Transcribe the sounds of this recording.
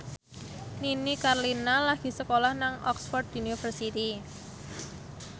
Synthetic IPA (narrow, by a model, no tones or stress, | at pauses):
ninikarlinalaɡ̥i̤səkolahnaŋɔksfɔrd̪unifərsit̪i